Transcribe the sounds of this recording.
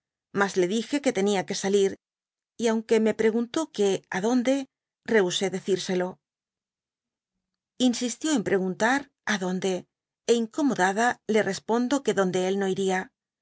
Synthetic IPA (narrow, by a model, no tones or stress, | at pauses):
mazle̞ðixe̞ke̞t̪e̞niake̞saliɾ | iawŋke̞me̞pɾe̞ɣunt̪o̞ke̞aðo̞nd̪e̞ | re̞use̞ðe̞θiɾse̞lo̞ | insist̪jo̞e̞mpɾe̞ɣ̞unt̪aɾ | aðo̞nd̪e̞ː | iŋko̞mo̞ðaðale̞rʔe̞spo̞nd̪o̞ke̞ðo̞nd̪e̞elno̞iɾia